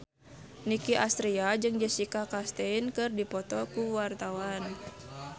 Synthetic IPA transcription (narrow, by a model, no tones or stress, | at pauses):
nikiʔast̪ɾiad͡ʒɨŋd͡ʒəsikakast̪ɛinkɨrdipɔt̪ɔkuwart̪awan